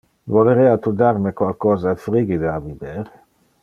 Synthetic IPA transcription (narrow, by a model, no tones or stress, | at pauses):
voleɾɛːat̪ud̪aɾmekwalkɔːzafɾiɡid̪aavibeːɾe